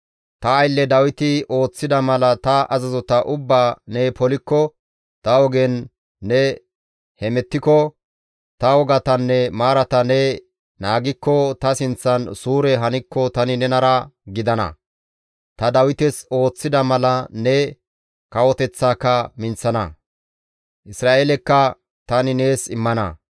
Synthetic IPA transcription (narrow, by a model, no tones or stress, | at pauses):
t̪ɐːjlːɛd̪ɐwɪt̪ɪo̞ːt͡sːɪd̪ɐmɐlɐt̪ɐʔɐzɐzɔt̪ɐʔʊbːaːnɛpɔlɪkːɔ | t̪ɐwɔɡɛnː | ɛ | hɛmɛt̪ːɪkɔ | t̪ɐwɔɡɐt̪ɐnːɛmaːɾɐt̪ɐnɛ | naːɡɪkːɔt̪ɐsɪnt͡sːɐnsuːɾɛɦɐnɪkːɔt̪ɐnɪnɛnɐɾɐɡɪd̪ɐnɐ̰ | t̪ɐd̪ɐwɪt̪ɛso̞ːt͡sːɪd̪ɐmɐlɐnɛ | kɐwɔt̪ɛt͡sːaːkːɐmɪnt͡sːɐnɐ̰ | ʔɪsɾaːʔelɛkːɐ | t̪ɐnɪne̞ːsɪmːɐnɐ̰